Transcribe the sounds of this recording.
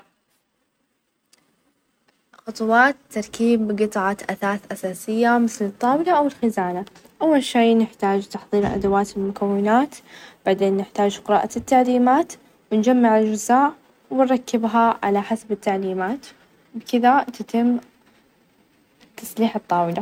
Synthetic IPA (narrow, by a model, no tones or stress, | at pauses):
xʊt̪ˤwɑːt̪ːɑɾˤkiːbqɨt̪ˤʕɑʔaθaːθʔasaːsɪjːamɪθlɨt̪ˤːɑːwɪlaʔawɪlxɪzaːna | ʔawːalʃeːnɪħt̪aːd͡ʒt̪ɑħðˤiːɾʔa̰d̪awaːt̪ɪlmʊkawːɪnaːt̪b̥aʕd̪eːnːɪħt̪aːd͡ʒqɪɾɑːʔat̪ːaʕliːmaːt̪ | wɪnd͡ʒamːaʕɪld͡ʒʊzaːʕ | wɪnɾˤɑkːɪbɦaʕa̰laħasabɪt̪ːaʕliːmaːt̪ | bkɪðat̪at̪ɪmː | t̪ːɑsˤliːħɨt̪ˤːɑːwɪla